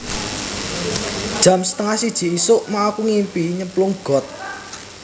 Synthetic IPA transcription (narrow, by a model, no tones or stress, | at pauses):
d̥ʒ̥ä̤msə̥t̪əŋahsid̥ʒ̥i̤isʊʔmaakuŋimpiɲəmplʊŋɡ̥ɔ̤t̪̚